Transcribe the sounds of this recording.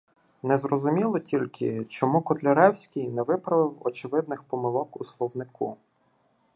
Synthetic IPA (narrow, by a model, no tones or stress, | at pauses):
nɛzɾɔzʊmʲilˠɔtʲʰilʲkɪt͡ʃɔmukɔt̪lʲɔɾɛwsʲkʲɪjnɛʋɪpɾɐʋɪwɔ̰t͡ʃɪʋɪd̪̚nɪxpɔmɪlˠɔkuslˠɔwnɪku